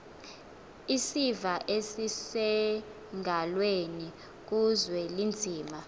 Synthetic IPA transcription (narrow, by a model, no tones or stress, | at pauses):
isivaʔesisɛ | ŋʱalweni | k̬uzwɛlind͡zʱiːma